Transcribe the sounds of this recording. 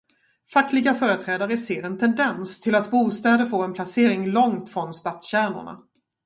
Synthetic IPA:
fakːlɪɡafœːɾət̪ʰɾɛːd̪aɾəseːɾɛnt̪ʰɛnd̪ɛnst̪ʰɪlat̪buːst̪ɛːd̪əɾfoːɾɛnpʰlaseːɾɪŋlɔŋt̪fɾɔnst̪aːt̪sɕæːɳʊ̰ɳa̰

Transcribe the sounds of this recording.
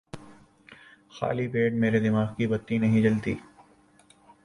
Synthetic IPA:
xa̰ːlipeːʈmeːɾed̪ɪmaːɡkibɐt̪ːinɐɦĩd͡ʒɐlt̪ḭː

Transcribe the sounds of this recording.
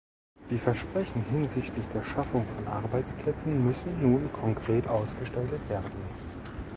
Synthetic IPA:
d̥iːfɛɐʃpʁ̥ɛçn̩hɪnzɪçtlɪçd̥eːɐʃafʊŋfɔnʔa̰ɐbaɪt͡spl̥ɛt͡sn̩mʏsn̩ːuːnkʰɔŋkʁ̥eːtʔaʊsɡ̥əʃtaltətv̥eːɐdn̩

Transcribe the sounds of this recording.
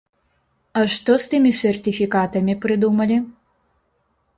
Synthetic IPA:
ɐʂt̪ɔst̪ɨmʲisʲɛrt̪ʲifʲikat̪ɐmʲipɾɨd̪umɐlʲi

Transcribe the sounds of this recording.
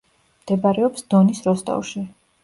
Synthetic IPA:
md̪̥ɛbaɾɛɔpsd̪̥ɔnisɾɔst̪ʼa̰wʃi

